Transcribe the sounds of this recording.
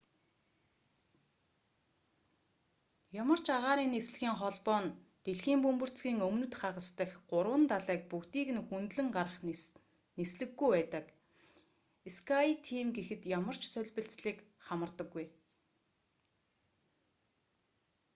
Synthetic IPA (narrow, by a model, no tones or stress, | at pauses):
jamə̆r̥t͡ɕaʁaːɾiːnːes̆ɮɣiːŋχɔɮpɔːnt̪eɮxiːmpɵmpɵ̆r̥t͡sɡiːŋɵmnɵ̆t̪χaʁə̆st̪ə̆xɢʊɾwə̆nt̪aɮæːk̚pukt̪iːxɘ̆nxunt̪ɮɘ̆ŋɢaɾə̆χ | nesɮɘ̆ɡːujpæːt̪ə̆k | eskʰajt̪ʰiːmɡexɘ̆t̪jamə̆r̥t͡ɕsœɮʲpɘ̆ɬt͡sɮiːkχamə̆rt̪ə̆ɡːuj